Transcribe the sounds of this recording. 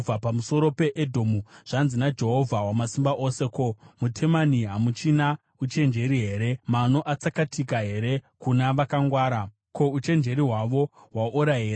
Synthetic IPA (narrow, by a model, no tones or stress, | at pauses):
vʱapamuso̞ɾo̞pe̞ʔedʱomuʐ̥anzinad͡ʒe̞ɦo̞vʱawamasimbaʔo̞se̞ko̞mutʰe̞maniɦamut͡ʃina | ut͡ʃe̞nd͡ʒe̞ɾiɦe̞ːɾe̞mano̞ʔat͡sakatʰikaɦe̞ɾe̞kunaʋakaŋɡwaːɾa | ko̞ut͡ʃe̞nd͡ʒe̞ɾiɦwaʋo̞ɦwaʔuɾaɦeːɾa